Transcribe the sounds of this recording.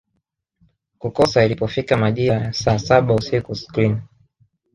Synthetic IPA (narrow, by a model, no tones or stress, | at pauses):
kukɔsailipɔfikamaʄiɾajasasaɓausikusklin